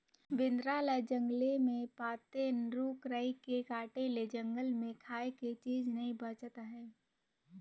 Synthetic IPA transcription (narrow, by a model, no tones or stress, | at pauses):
bɪnd̪ɾaːləd͡ʒə̃ŋɡlemẽpaːt̪enɾuːkɾəikekaːʈeled͡ʒə̃ŋɡəlmẽkʰaːeket͡ʃiːd͡ʒnɐɦĩbət͡ʃt̪aɦɛ̃ː